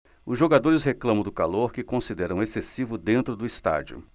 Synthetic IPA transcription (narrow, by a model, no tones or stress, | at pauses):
ʊzʒoɡad̪oɾɪsɦeklɐ̃mɐ̃d̪ʊkaloɾkɪkõsid̪ɛɾɐ̃w̃esesivʊd̪ẽnt̪ɾʊd̪ʊist̪a̰d͡ʒiʊ̰